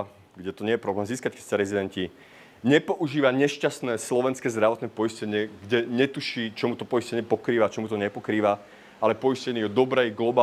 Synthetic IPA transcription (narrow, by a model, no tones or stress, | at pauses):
ɡɟɛt̪ɔɲɪɛjɛpɾɔblɛːmziːskackɛ̥saɾɛzid̪ɛnci | ɲɛpɔʔuʒiːʋaɲɛʃcast̪nɛːslɔʋɛnskɛːzd̪ɾaʋɔt̪nɛpɔiscɛɲɪɛɡɟɛɲɛt̪uʃiːt͡ʃɔmut̪ɔpɔjiscɛɲɪɛpɔkɾiːʋat͡ʃɔmut̪ɔɲɛpɔkɾiːʋa | alɛpɔjiscɛɲiɔd̪ɔbɾɛjɡlɔbaː